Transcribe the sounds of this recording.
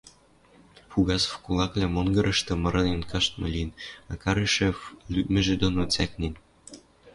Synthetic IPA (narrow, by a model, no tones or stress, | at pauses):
fuɣɑsfkulˠɑklʲæmonɡɤ̆ɾʔɤ̆ʃt̪ɤ̆mɤ̆ɾɤ̆nenkɑʃt̪̚mɤ̰̆lʲinɑkɑɾeʃĕflʲymɘ̆ʒĕd̪onot͡sæknʲen